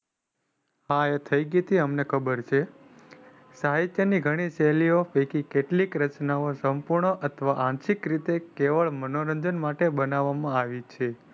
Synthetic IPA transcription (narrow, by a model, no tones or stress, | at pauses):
ɦaet̪ʰəjɡit̪ʰiəmnekʰəbəɾt͡ʃʰe | saɦait̪jəniɡʱəɽ̃isɛliofekikeʈlikɾət͡ʃnaosəmpuɾɳəʔət̪ʰʋaʔãnʃikɾit̪ekeʋəɭmənoɾəɲd͡ʒənmaʈebənaʋːamãaʋit͡ʃʰe